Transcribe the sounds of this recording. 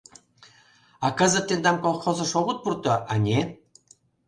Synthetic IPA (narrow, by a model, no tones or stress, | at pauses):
ɑkə̆zə̆t̪ːend̪ɑmkolˠxozɤ̆ʃoβət̪̚purt̪ɤ̆ʔɑnʲe